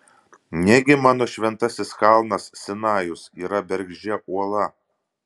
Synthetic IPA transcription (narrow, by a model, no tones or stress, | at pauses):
nʲɛɡʲɪmɑːnoːʃʲʋʲɛnt̪ɐsʲɪsxɑˑlˠnɐssʲɪnɑːjʊsiːɾɐbʲɛɾʲɡʲʒʲɛʔuɔlˠɐ